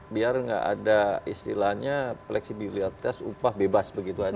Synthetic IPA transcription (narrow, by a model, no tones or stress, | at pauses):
biarŋɡa̰ʔa̰daist̪ḭlaɲaplɛksibiliat̪asṵpahbebasbəɡit̪ua